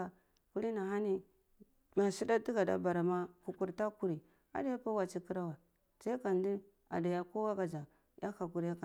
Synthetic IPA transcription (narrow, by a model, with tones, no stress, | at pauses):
a˨ | ku˦ɾi˦na˨ɦa˦ni˦ | ma˨si˦da˦ti˦ɡa˨da̰˦ba˨ɾa˨ma˦ku˨ku˦ɾta˦ku˦ɾi˨ | a̰˨da˦ja˦pa˦wa˨t͡ʃi˦ki˦ɾa˦wa˨ | sa˦i˦ka˨n˦di˦ | a̰˨da˨ja˦ko˦wa˦ɡa˨d͡ʒa˨ | ja̰˦xa˨ku˨ɾa˦ka˨